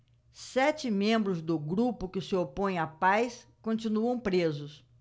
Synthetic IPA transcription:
sɛt͡ʃɪmẽmbɾʊzd̪ʊɡɾupʊkɪsɪopõj̃apajskõnt͡ʃinuɐ̃w̃pɾezʊs

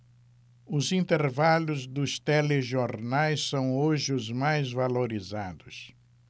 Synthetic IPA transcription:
ʊzĩnt̪eɾvalʊzd̪ʊst̪eleʒoɾnajssɐ̃w̃oʒɪʊzmajzvaloɾizad̪ʊs

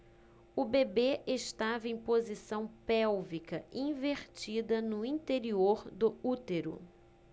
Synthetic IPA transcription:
ʊbebeʔeʃt̪avɐẽj̃pozisɐ̃w̃pɛwvikɐĩveɾt͡ʃid̪ɐnʊĩnt̪eɾioɾd̪ʊut̪eɾʊ̰

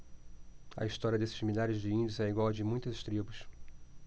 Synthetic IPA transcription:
ɐ̰ist̪ɔɾiɐd̪esɪ̥zmilʎaɾɪzd͡ʒɪĩd͡ʒɪʊzɛiɡwawd͡ʒɪmũj̃t̪ɐzʃt̪ɾibʊs

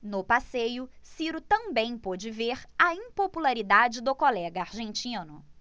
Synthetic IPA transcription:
nʊpasejʊsiɾʊt̪ɐ̃bẽj̃pod͡ʒɪveɾɐĩpopulaɾid̪ad͡ʒɪd̪ʊkolɛɡɐaɾʒẽnt͡ʃĩnʊ

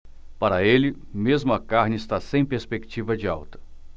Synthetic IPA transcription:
paɾɐelɪmezmʊɐkaɾnɪɪst̪asẽj̃peɾspekt͡ʃivɐd͡ʒɪawt̪ɐ̥

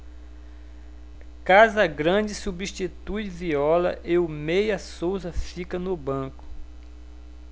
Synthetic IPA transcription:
kazɐɡɾɐ̃d͡ʒɪsubiʃt͡ʃit̪ujviɔlɐ̰ʔeʊmejɐsowzɐfikɐnʊbɐ̃kʊ̥

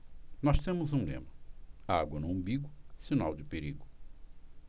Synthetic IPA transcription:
nɔst̪ẽmʊzũlḛ̃mɐaɡwɐnʊɐ̃mbiɡʊsinawd͡ʒɪpeɾiɡʊ

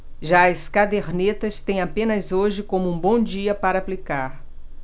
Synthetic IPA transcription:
ʒaɐskad̪eɾnet̪ɐst̪ẽj̃apẽnɐzoʒɪkõmʊũbõd͡ʒiɐpaɾɐːplikaɾ

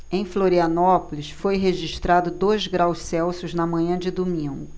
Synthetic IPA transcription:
ẽj̃floɾiɐnɔpolisfojɦeʒiʃt̪ɾad̪ʊd̪ojzɡɾawssɛwsʊznɐmɐ̃ɲɐ̃d͡ʒɪd̪omĩɡʊ

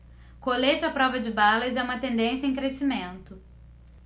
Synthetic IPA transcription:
kolet͡ʃɪapɾɔvɐd͡ʒɪbalɐzɛũmɐt̪ẽnd̪ẽsjɐẽkɾesimẽnt̪ʊ

